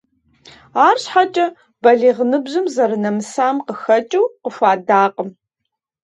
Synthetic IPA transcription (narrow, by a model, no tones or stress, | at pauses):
aːrɕħat͡ʃʼɐ | b̥ɐɮiːʁənɨbʑɨmzɐɾɨnɐmɨsaːmqəxɐt͡ʃʼuwqəfʷaːdaːqʼəm